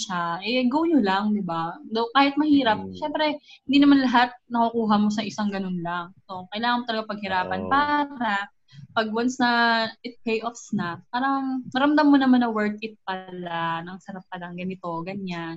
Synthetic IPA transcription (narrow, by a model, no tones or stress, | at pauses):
ʃaʔɛɡowɲolaŋd̪ɪbad̪owkaːhɪt̪̚mɐhiːɾɐp̚ʃɛmpɾɛhɪnd̪iːnɐmanlɐɦat̪̚nɐkukuːɦɐmo̞s̬ɐʔɪsaŋɡɐno̞nlaŋso̞kɐʔɪlaːŋɐnmot̪ɐlɐɡapɐɡ̚hɪɾaːpɐnpaːɾa | pɐɡ̚wɐnsnɐɪt̪̚pejʔofsnaf̚paːɾɐŋmɐɾɐmd̪amːonɐmanːɐwɛɹt̪̚ɪt̪̚pɐlanɐŋsɐɾap̚pɐlɐŋɡɐnɪt̪o̞ɡɐɲan